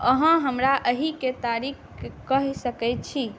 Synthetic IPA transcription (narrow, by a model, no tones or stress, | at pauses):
əɦə̃ɦəmɾaʔəɦiket̪aɾik | kəɦsəkɛjt̪̚t͡ʃʰi